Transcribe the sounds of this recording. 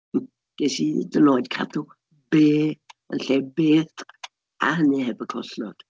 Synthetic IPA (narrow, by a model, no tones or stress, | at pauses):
ɡ̥ɛsidənoːjdkʰa̰tʰʊ | beːə̰nɬeːbeːθ | a̰hənɨhɛbəkʰɔ̰ɬɔ̰d̥